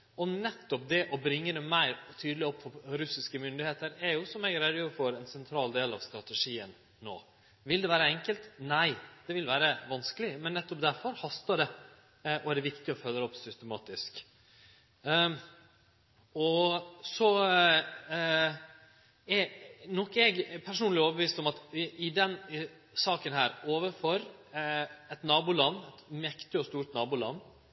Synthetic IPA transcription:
ɔnɛt̪ːɔp̚d̪ɛʔɔbɾɪŋːəd̪ɛmæɪɾt̪ʰyːd̪lɪɔpːfɔɾʉsɪskəmʏnd̪ɪheːt̪əɾɛɾjʊsɔmæɪɡɾɛd̪jøːɾfɔɾɛnsɛnt̪ʰɾɑːld̪eːlɑʋst̪ɾɑt̪ɛʂiːənː | o̰ː | ʋɪld̪ɛʋæːɾəɛŋkəlt̪næɪd̪̥ɛʋɪlʋæːɾəʋɑnskəlɪmɛnːɛt̪ːɔp̚d̪æɾfɔɾhɑst̪ɑɖɛ | ʔɔæɖɛʋɪkt̪ɪɔfœlːəɾɔpsʏst̪ɛmɑːt̪ɪsk | ɔsɔ | ɛnɔkːɛɡpʰæɾʂuːnlɪoːʋəbəʋiːst̪ɔmɑt̪ɪd̪ɛn | sɑːkənhæːɾoːʋəfɔɾ | ɛt̪nɑːbuːlɑnːɛt̪mɛkt̪ɪɔst̪uːɾʈ̪nɑːbuːlɑ̰nː

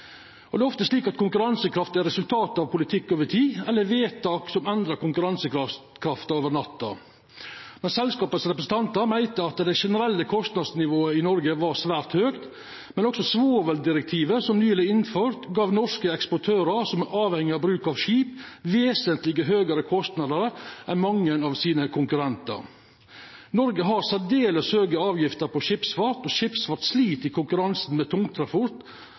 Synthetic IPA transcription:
ɔd̪ɛːɔft̪əsʂliːkɑt̪kʰʊŋkʉɾɑnsəkʰɾɑft̪ɛɾɛsʉlt̪ʰɑːt̪ɑʋpʊlɪt̪ʰɪkːoːʋəʈʰiːɛlːəɾʋeːt̪ɑːksɔmɛnd̪ɾɑɾkʊŋkʉɾɑnsəkɾɑ | kʰɾɑft̪ɑoːʋəɳɑt̪ːɑɔ̰ | mɛnsɛlskɑːpət̪sɾɛpɾəsn̩t̪ʰɑnt̪əɾmæɪt̪əɑt̪d̪ɛɪʂɛnəɾɛlːəkʰɔst̪nɑd̪snɪʋoːəɪnɔɾɡəʋɑɾsʋæːɾt̪høːkt̪ | mɛnɔksɔsʋoːʋəld̪ɪɾɛk̚t̪ʰiːʋəsɔmnyːlɪɪnføːɾt̪ɡɑːʋnɔʂkəɛkspɔʈʰøːɾəɾsɔmʔɑːʋhɛŋːɪɑbɾʉːkɑʋʃiːpʋeːsənt̪lɪɡəɦøːɡəɾəkʰɔst̪nɑd̪əɾəʔɛnmɑŋːənɑʋsiːnəkʰʊŋkʉɾɛnt̪ə̰ɾ | nɔɾɡəɦɑɾsæd̪eːləshøːɡəɑːʋjɪft̪əɾpʰɔʃɪpsfɑt̪ɔʃɪpsfɑt̪sliːt̪ɪkʰʊŋkʉɾɑnsn̩meːt̪ʰʊŋt̪ʰɾɑpʊɾt̪

